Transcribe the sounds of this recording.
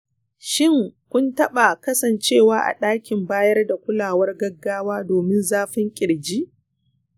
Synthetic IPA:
ʃɪ˦˨ŋkʷʊ˦ntɐ˦ɓa˨kɐ˦sɐ˨nt͡ʃeː˦˨waː˦ʔa̰˨ɗaː˦kʲɪ˨mbaː˦jɐ˦rda˨kʷʊ˦laː˨wɐ˦rɡɐ˦ɡːaː˦waː˦doː˨mɪ˦nzaː˦ɸɪ˦ŋkʲʼɪ˨ɽd͡ʒi˦ʔ

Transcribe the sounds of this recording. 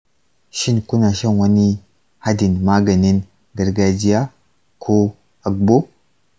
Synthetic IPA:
ʃi˦nku˦na˨ʃa˦˨nwa˦ni˦ | ha˦di˨nma˦ɡa˨ni˦n | ɡa˨ɾɡa˦d͡ʒi˦ja˦ | kʰo˦ | a˨ɡ̚bo˦

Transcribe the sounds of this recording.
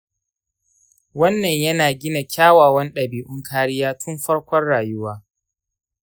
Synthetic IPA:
wɐ˦nːɐ˨ɲjɐ˦naː˨ɡʲɪ˦na˨kʲaː˦waː˨wɐ˦nɗɐ˨biː˨ʔʊ˦ŋkʰaː˦ɽɪ˦jaː˦tʰʊ˦mɸɐ˦ɽkʷɔ˦rɽaː˨jʊ˦waː˦

